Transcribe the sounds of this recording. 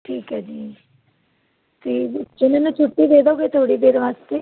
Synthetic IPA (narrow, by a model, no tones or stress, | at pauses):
ʈʰiːkɦɛːd͡ʒiː | t̪eːd͡ʒɪnẽːnũːt͡ʃʰʊʈːiːd̪eːd̪aoɡeːt̪ʰoːɽiːd̪eːɾʋaːst̪eː